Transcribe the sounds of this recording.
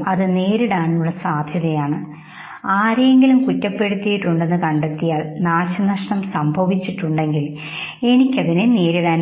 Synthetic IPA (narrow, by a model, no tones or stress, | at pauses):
ɐðɨne̞ːɾiɽaːɳiuɭːɐsaːd̪ʱjɐðɐjaːɳɨ | aːɾeeŋɡilumkutːɐpːe̞ɽut̪ːijiʈːuɳɖe̞nːɨkɐɳɖet̪ːijaːɭnaːɕɐnɐʂɳɐmsɐmbʱɐʋit͡ɕːiʈːuɳɖe̞ŋɡil | e̞nikʲːɐðinene̞ːɾiɽaːn